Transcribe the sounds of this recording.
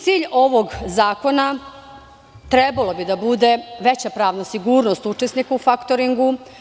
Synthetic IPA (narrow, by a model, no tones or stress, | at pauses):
t̪siːʎo̞ʋo̞ɡzaːko̞na | t̪ɾebalo̞bid̪abud̪e̞ʋe̞t͡ɕapɾaːʋnasiɡuːɾnost̪ut͡ʂesnikaufakt̪oɾiŋɡu